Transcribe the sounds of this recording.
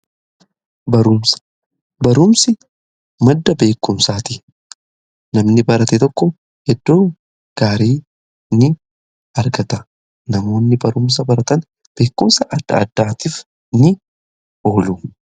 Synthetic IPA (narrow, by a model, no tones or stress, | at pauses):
bɐɾʊmsɐ̥ | bɐɾʊmsɪ | mɐd̪ːɐbe̞ːkːʊmsaːt̪ɪ | nɐmnɪbɐɾɐt̪ɛt̪ɔkːɔ | hɛd̪ːo̞ː | ɡ̥aːɾiː | nɪ | ɐɾɡɐt̪ɐ | nɐmo̞ːnːɪbɐɾʊms̬ɐbɐɾɐt̪ɐn | b̥e̞ːkːʊmsɐʔɐd̪̥ːɐ̰ɐd̪ːaːt̪iːf | nɪ | o̞ːlu